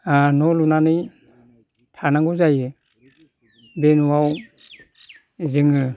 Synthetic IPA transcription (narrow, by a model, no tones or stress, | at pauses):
anɔlunanɯj | tʰanaŋɡɔzajɯ | benuwaw | zɯŋɯ